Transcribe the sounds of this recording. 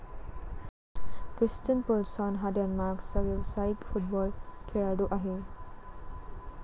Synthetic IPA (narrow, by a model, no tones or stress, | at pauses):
kɾistinpulsɔnɦadanmaksabebsajikpʰut̚bɔlkʰeɾaduʔaɦe